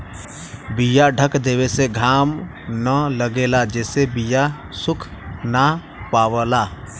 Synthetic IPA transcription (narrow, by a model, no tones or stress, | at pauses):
bijaɖʱəkd̪eːweseɡʱaːm | nələɡelad͡ʒɛːsebija | sʊkʰna | paːwəla